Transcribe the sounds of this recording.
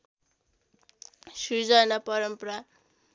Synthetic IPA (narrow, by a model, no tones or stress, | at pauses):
sud͡zanapʌɾʌmpʌɾa